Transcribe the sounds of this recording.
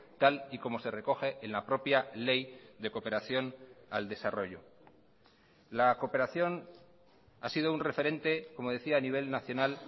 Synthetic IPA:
t̪aliko̞mo̞se̞re̞ko̞xe̞ʔːnlapɾo̞pjale̞jðe̞ko̞pe̞ɾaθjo̞nald̪e̞saro̞ʎo | lako̞pe̞ɾaθjo̞n | a̰sið̞o̞unre̞fe̞ɾẽ̞nt̪e̞ko̞mo̞ð̞e̞θiaːniβ̞e̞lnaθjo̞nal

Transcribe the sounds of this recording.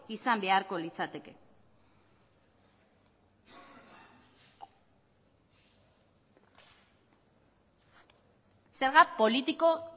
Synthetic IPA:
isambe̞aɾko̞lit͡sat̪e̞ke̞ | se̞ɾɣapo̞lit̪iko̞

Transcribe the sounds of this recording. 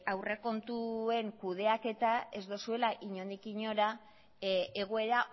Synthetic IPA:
awre̞ko̞nt̪ue̞ŋkuð̞e̞ake̞t̪ae̞zd̪osue̞laʔiɲo̞nd̪ikiɲo̞ɾa | eɣ̞oe̞ɾa

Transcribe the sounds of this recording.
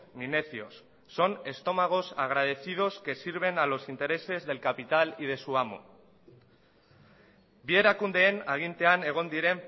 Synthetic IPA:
mine̞θio̞̰sː | o̞ne̞st̪o̞maɣ̞o̞saɣ̞ɾað̞e̞θið̞o̞ske̞siɾβ̞e̞nalo̞sint̪e̞ɾe̞se̞zðe̞lkapit̪alið̞e̞suamo̰ | bieɾakund̪e̞ːnaɣ̞int̪e̞ane̞ɣ̞o̞nd̪iɾe̞m

